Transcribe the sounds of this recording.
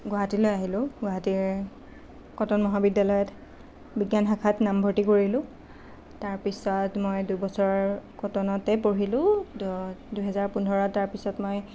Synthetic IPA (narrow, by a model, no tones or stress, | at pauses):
ɡwaɦatilojaɦilʊ̃ɡwaɦatiɹ | kɔtɔnmɔɦabidːalɔjɔt | biɡjanɦakʰatnambʱɔɹtikoɹilʊ̃ | taɹpisɔtmojdubɔsɔɹkɔtɔnɔtɛpoɹilʊ̃ | duɦɛzaɹpundʱɔɹɔtaɹpisɔtmoj